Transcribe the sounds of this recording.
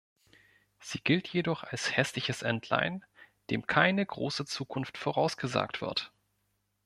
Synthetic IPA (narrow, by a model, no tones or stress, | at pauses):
z̥iːɡɪltʰjedɔχalshɛslɪçəsʔɛntʰla̰ɪnd̥eːmkʰaɪnəɡʁo̰ːsət͡suːkʰʊnftfoʁ̞aʊsɡ̥əza̰ːktv̥ɪ̰ɐ̰t